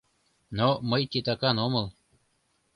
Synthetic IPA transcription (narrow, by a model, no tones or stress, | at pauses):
nomɤjt̪ʲet̪ɑkɑnomɤ̆lˠ